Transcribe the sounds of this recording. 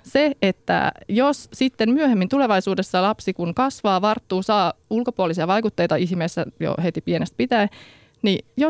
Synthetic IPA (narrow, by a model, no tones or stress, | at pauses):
seet̪ːæ̰jossit̪ːemmyøɦemːint̪ule̞ʋɑjsuːdesːɑlɑpsikuŋkɑsʋɑːʋɑrt̪ːuːsɑːulko̞puolisiɑʋɑjkut̪ːejt̪ɑiɦmesːæ̰jo̰het̪ipienest̪̚pit̪æe | nijo